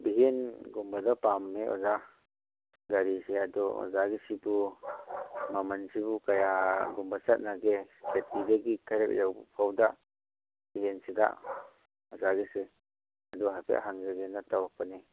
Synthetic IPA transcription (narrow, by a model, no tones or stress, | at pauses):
biɦenɡumbadapamːeʔɔ̰za | ɡaɾiseadɔɔ̰zaɡisibu | mamansibukajaɡumbasat̪̚naɡekʰetideɡikʰaɾɛk̚jawbpʰawda | biɦensida̰ | ɔzaɡise | ad̪ɔɦapʰḛʔɦaŋzaɡenatawapane